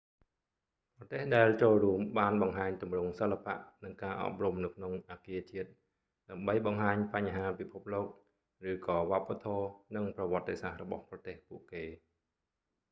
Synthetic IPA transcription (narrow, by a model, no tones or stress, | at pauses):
prɑt̪eːhɗaɛlt͡ɕoːlruəmɓaːnɓɑŋɦaːɲt̪umrʊŋsəlːapa̰ʔnɨŋkaːʔɑ̰p̚rumnɨwkʰnoŋʔaːkiət͡ɕiət̪̚ | ɗaəmɓəjɓɑŋɦaːɲpaɲɦaːpipʰup̚loːk̚ | rɨːkɑːʋŏəpːat̪ʰɔːnɨŋprɑʋŏət̪ːesahrɔɓɑ̰hprɑt̪eːhpuəʔkeː